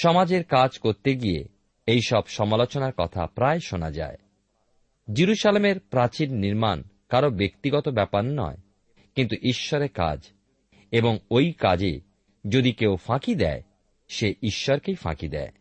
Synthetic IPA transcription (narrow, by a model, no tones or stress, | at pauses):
ʃɔmad͡ʑeɾkad͡ʑkoɾt̪eɡijḛ | ejʃɔbʃɔmalot͡ɕonaɾkɔt̪ʰa̰pɾaeʃona̰d͡ʑa̰e | d͡ʑiɾuʃalemeɾpɾãt͡ɕiɾniɾman | kaɾobekt̪iɡɔt̪obɛpaɾnɔ̰e | kint̪uʔiʃːɔɾeɾka̰d͡ʑ | eboŋojkad͡ʑḛ | d͡ʑod̪ikewfãkid̪ɛ̰e | ʃeiʃːɔɾkejfã̰kid̪ɛ̰e